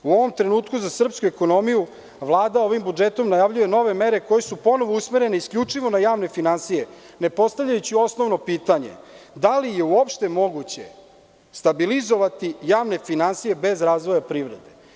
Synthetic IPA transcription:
uo̞ʋo̞mt̪ɾe̞nuːt̪kuzasr̩pskueko̞no̞miju | ʋlˠaːd̪ao̞ʋimbud͡ʒet̪o̞mnajaʋʎuje̞no̞ʋe̞me̞ɾeko̞je̞supo̞no̞ʋousmeɾe̞neiskʎʲut͡ʂiʋo̞najaːʋne̞finansije | ne̞po̞st̪avʎajut͡ɕio̞snoʋno̞piːt̪aɲḛd̪alije̞uopʃt̪e̞mo̞ɡut͡ɕe̞̰ | st̪abilizo̞ʋat̪ijaːʋne̞finansije̞be̞zɾaːzʋo̞japɾiʋɾe̞d̪e̞

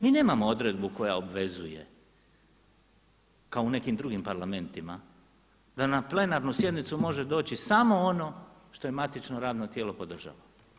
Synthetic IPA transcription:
miːne̞ːmamo̞o̞d̪ɾed̪buko̞ja̰obʋe̞zuje̞̰ | kaoune̞kimd̪ɾuɡimpaɾlame̞nt̪ima̰ | d̪anaple̞naɾnusje̞d̪nit̪sumo̞ʒe̞d̪o̞ːt͡ɕisamo̞ono̞ | ʃt̪o̞je̞mat̪it͡ʃno̞ɾaːd̪not̪jeːlo̞pod̪r̩ʒa̰lo

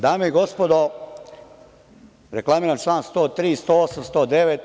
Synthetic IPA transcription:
d̪aːmejiɡo̞spod̪o | ɾeklˠamiːɾant͡ʃlˠaːnst̪oːt̪ɾiːst̪oːosamst̪oːd̪e̞ʋet̪

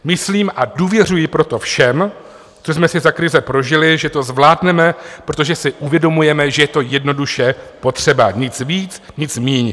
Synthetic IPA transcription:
mɪsliːmʔaduːvjɛr̝ujɪpɾo̞t̪o̞fʃɛm | t͡sos̬mɛsɪzakɾɪzɛpɾo̞ʒɪlɪʒɛt̪o̞zvlaːdnɛmɛpɾot̪̬oʒɛsɪʔuvjɛdo̞mujɛmɛʒɛjɛt̪o̞jɛdno̞duʃɛpo̞t̪r̝̥ɛbaɲɪt͡sviːt͡s | ɲɪt͡smiːɲ

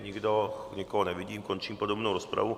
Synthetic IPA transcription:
ɲiɡd̪ɔɲɛkɔɦɔnɛʋiɟiːmkɔɲt͡ʃiːmpod̪ɔbnuːɾɔspɾa̰vu

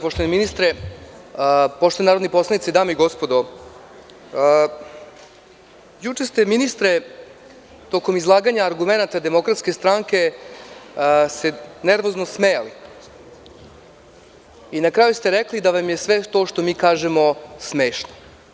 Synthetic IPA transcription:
poʃt̪oʋaneminist̪ɾe | poʃt̪onaɾod̪nepo̞slˠanit̪ed̪aːmoiɡo̞spo̞d̪o | jut͡ʂest̪eminist̪ɾe | t̪o̞ko̞mizlˠaːɡaɲaːɾɡume̞nat̪ad̪e̞mo̞kɾat̪skest̪ɾaŋke̞ | seneɾʋo̞znosmejali | inakɾaːjust̪eɾeklid̪aʋamjesʋet̪o̞ʃt̪o̞miːkaːʒemo̞smeːʃno

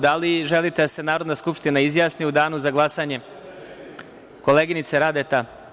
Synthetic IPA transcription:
d̪aliʒe̞lit̪e̞d̪ase̞naːɾo̞d̪naskupʂt̪inaizjaːsniud̪aːnuzaɡlˠasaɲe̞ | ko̞leːɡinit̪seɾad̪et̪a

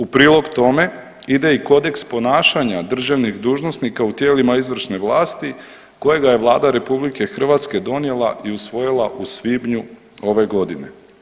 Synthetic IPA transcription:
upɾiːlˠo̞ɡt̪o̞me̞ | id̪e̞iko̞d̪e̞kspo̞naːʃaɲad̪r̩ʒaʋnixd̪uːʒnosnikaut̪je̞ːlimaizʋr̩ʃne̞ʋlˠaːst̪i | ko̞jeɡaje̞ʋlˠaːd̪aɾe̞publike̞xr̩ʋat̪ske̞d̪o̞nje̞lˠaʔiusʋo̞jilˠaʔusʋibɲu | o̞ʋe̞ɡo̞d̪ine̞

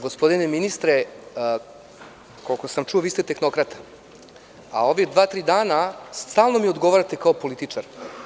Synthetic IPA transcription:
ɡospo̞d̪ineminist̪ɾe | kolkosamt͡ʃuoʋiːst̪et̪e̞xno̞kɾat̪ḁ | a̰o̞ʋid̪ʋaːt̪ɾiːd̪aːnast̪aːlˠnomiod̪ɡo̞ʋaɾat̪e̞kaopo̞lit̪it͡ʂaɾ

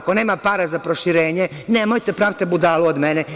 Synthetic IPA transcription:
ko̞ne̞ːmapaːɾazapɾoʃiɾeːɲeneːmojt̪epɾaːʋt̪ebud̪aːluod̪mene

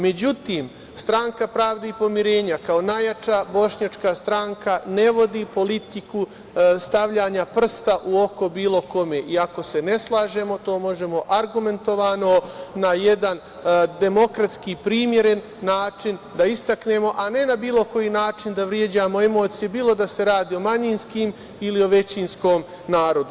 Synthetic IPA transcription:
me̞d͡ʑut̪iːm | st̪ɾaŋkapɾaːʋd̪aipo̞miɾe̞ːɲakaonajat͡ʃabo̞ʃɲat͡ʃkast̪ɾaŋkane̞ʋo̞d̪ipo̞lit̪iku | st̪aʋʎaːɲapr̩st̪aʔuo̞ko̞biːlˠo̞ko̞me̞ʔiako̞se̞ne̞slˠaːʒe̞mo̞t̪o̞ːmo̞ʒe̞mo̞ʔaɾɡume̞nt̪o̞ʋaːno̞naje̞d̪an | d̪e̞mo̞kɾat̪skipɾiːmje̞ɾe̞nːaːt͡ʃind̪aist̪akne̞ːmo̞ʔane̞nabiːlo̞ko̞jinaːt͡ʃind̪aʋɾje̞d͡ʑaːmo̞e̞mo̞ːt̪sijebiːlˠo̞d̪ase̞ɾaːd̪iːo̞maɲinskiːm | ilio̞ʋe̞t͡ɕinsko̞ːm | naːɾo̞d̪u

